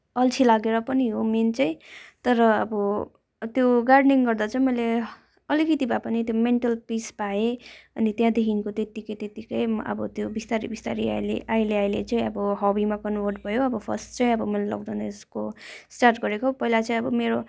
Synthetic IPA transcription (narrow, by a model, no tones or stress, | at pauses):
ʌlt͡sʰilaɡeɾʌpʌniɦoment͡sʌĩt̪ʌɾʌʌ̰bʌ | t̪joɡarɖniŋɡʌrd̪at͡sʌĩmʌjle | ʌlikit̪ibapanit̪jomeɳʈʌlpispaeʌnit̪jãd̪ekʰinkot̪et̪ikʌjt̪et̪ikʌjʌ̰bʌt̪jobist̪aɾibist̪aɾia̰lḛʔaileajlet͡sʌĩʌbʌɦʌbimakʌnwʌrʈ̚bʱʌjoʌbʌpʰʌsʈt͡sʌĩʌbʌmʌlalʌ̰ɡd̪anʌeskosʈarʈɡʌɾekopʌilat͡sʌĩʌbʌmeɾo